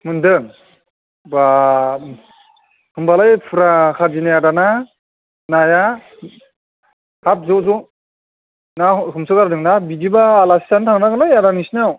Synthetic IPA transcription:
mɯndɯŋ | ba | hɯmbalajpʰɯɾakʰazinajadana | naja | hap̚zɔzɔ | nahɯmsɯkaɾadɯŋnabidibaːlasi̥santʰaŋnaɡɯlajadanisnaw

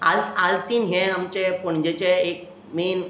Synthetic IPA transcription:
alalt̪iːnɦẽamt͡ɕepɔɳ̃d͡ʑet͡ɕeek̚ | meːn

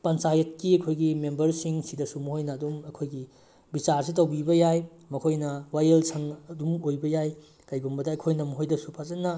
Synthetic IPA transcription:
pɐnt͡ʃajɐt̚kiɐkʰojɡimembɐɾsiŋsidɐsumuhojnɐːdumɐkʰojɡi | bit͡ʃaɾs̬it̬ɐwbibɐjaj | mɐkʰojnɐwajelsʰɐŋɐdumojbɐjaj | kajɡumbɐdɐːkʰojnɐmuɦojdɐsupʰazɐnːɐ

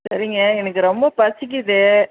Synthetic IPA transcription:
sɐɾɪŋɡɐɛnɐkːɯɾɔmbɐpɐɾt͡ʃːɪk̬ːɪðɯ

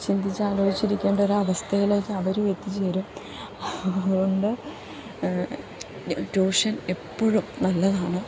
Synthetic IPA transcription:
t͡ɕind̪ʱit͡ɕːɨaːlo̞ːd͡ʑit͡ɕːiɾikʲːe̞ːɳɖɐoɾɐʋɐst̪ʰɐjile̞ːkːɨɐʋɐɾumet̪ːit͡ɕe̞ːɾum | ɐðuɣo̞ɳɖɨ | ʈoːʂɐne̞pːoɻumnɐlːɐðaːɳɨ

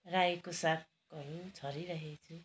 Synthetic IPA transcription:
rajekosap̚ʰ | kʌɾut͡sʰʌɾiɾʌɦet͡sʰu

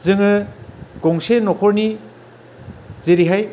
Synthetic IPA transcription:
zɯŋɯɡ̥ɔŋsenɔkʰɔɾni | zeɾiɦaj

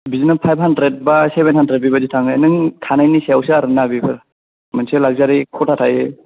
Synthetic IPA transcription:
bizinapʰajb̚ɦandɾet̚basebenhandɾet̚bibazitʰaŋɯnɯŋkʰanajnisejawsɯaɾɯnabibɯɾ | manselaɡ̚zaɾikʰɔtʰatʰaje

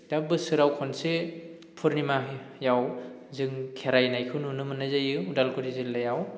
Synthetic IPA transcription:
d̥abɯsɯɾawkʰɔnse | pʰuɾnimajaw | zɯŋkʰeɾajnajkʰɯwnunɯmɯnazajɯudalkʰuɾizilːajaw

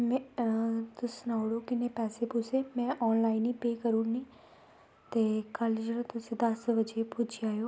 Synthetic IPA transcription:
mɛ | t̪ʊsnaːʊɽoːkɪneːpɛːseːpʊsʰeːmɛ̃ːʔɔːnlaːiniːpeːkəɾũːniː | t̪eːkəld͡ʒeɾõːt̪ʊsĩːd̪əsʋəd͡ʒeːpʊd͡ʒaːjoː

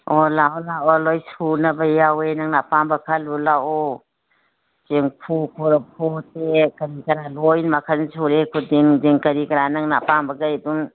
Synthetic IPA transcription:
ɔlaɔlaɔlojsunabajawenaŋnapambakʰalulaɔ | t͡ʃeŋpʰukʰuɾapʰutekɐɾikɐɾalɔjnmakʰansʰuɾekʰudiŋdiŋkɐɾikaɾanaŋnapambaɡajdun

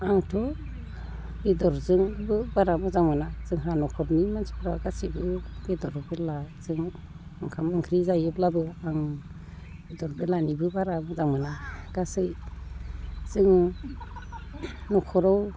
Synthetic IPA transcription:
aŋtʰɔ | bidɔɾzɯŋbɯbaɾamɔzaŋmɯnaz̥ɯŋhɾanɔkʰɔɾnimansi̥pʰɾaɡasibɯb̥edɔɾbɯlazɯŋ | ɯŋkʰamɯŋkʰɾizajɯplabɯaŋ | bidɔɾbɯlanibɯbaɾamɔzaŋmɯnaɡ̥asɯj | z̥ɯŋ | nɔkʰɔɾɔw

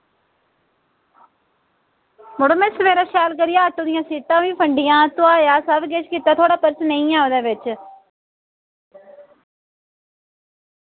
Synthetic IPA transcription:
mʊɽomẽsəmeːɾaːʃaːlkəɾɪjaːətoːd̪ɪjãːsiːʈ̪ãːʋĩːpʰəɳɖɪjãːt̪ʊaːjaːsəbɡet͡ʃkiːt̪aːt̪ʰoːɽaːpəɾsnəĩːãːoːd̪eːʋɪt͡ʃ

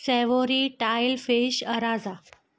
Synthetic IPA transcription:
sɛʋoɾiʈajlfeɕəɾad͡za

